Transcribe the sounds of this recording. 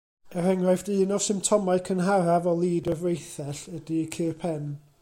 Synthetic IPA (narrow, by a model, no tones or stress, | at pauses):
əɾɛŋrajfdɨːnɔ̥sɪmp̚tʰɔmaɨkʰənɦaɾavɔlˠiːdəvrejθɛɬədikʰɨːrpʰɛn